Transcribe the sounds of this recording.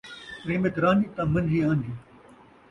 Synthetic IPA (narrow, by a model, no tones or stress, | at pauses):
ɾeːmet̪ɾaːniːt̪ãːmɐnd͡ʒiːãːnd̪iː